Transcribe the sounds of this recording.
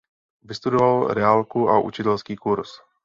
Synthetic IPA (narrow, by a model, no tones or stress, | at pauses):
vɪst̪udovalɾɛalkuʔa̰ʔṵt͡ʃɪt̪ɛlskiːkuɾs